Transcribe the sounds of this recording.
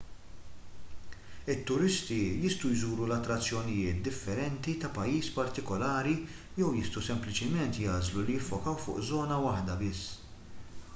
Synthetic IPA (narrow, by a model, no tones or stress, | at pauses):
ɪt̪ːʊɾɪst̪ijɪst̪ujzuːɾulɐt̪ːɾɐt͡sːjɔnɪjɪːt̪̚d̪ɪfːɛɾɛnt̪it̪ɐpɐjːiːspɐɾt̪ɪkɔlɐːɾi | jɛwjɪst̪usɛmplɪt͡ʃɪmɛnt̪jɐːzlulijɪfːɔkɐwfʊ̰ːʔzɔːnɐwɐħd̪ɐbɪsː